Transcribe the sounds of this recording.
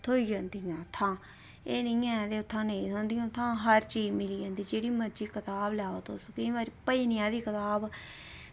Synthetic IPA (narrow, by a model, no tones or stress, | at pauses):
t̪ʰoːiːd͡ʒãːnd̪iãːt̪ʰãː | eːnɪ̃ãːd̪eːʊt̪ʰːãːneĩt̪õːnd̪iːãːt̪ʰːãːɦəɾt͡ʃiːd͡ʒmɪliːd͡ʒãːnd̪iːd͡ʒeːɽiːməd͡ʒiːkət̪aːblaːoːt̪oskɪĩːbaːɾiːpəiːnɪjãːd̪iːkət̪aːb